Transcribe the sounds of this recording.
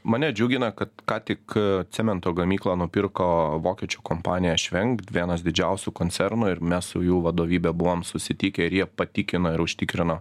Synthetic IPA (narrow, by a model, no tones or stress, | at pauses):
mɐːnʲɛd͡ʒʲuːɡʲɪnɐkɐt̪kɑːt̪ʲɪkt̪ʲsʲɪmʲɛnt̪oːɡɐmʲiːklˠoːnʊpʲɪɾkoːʋoːkʲɛt͡ʃʲoːkoːmpɑːnʲɪjɛʃʲʋʲɛŋkt̪ʋʲiɛnɐsd̪ʲɪd͡ʒʲɛʊsʲʊkoːnʲtsʲɛɾnʊɪɾmʲɛssʊjuːʋɐd̪oːʋʲiːbʲɛbʊʋomsʊsʲɪt̪ʲiːkʲɛɪɾjiɛpɐt̪ʲikʲɪnoːɪɾʊʃʲt̪ʲɪkɾʲɪnoː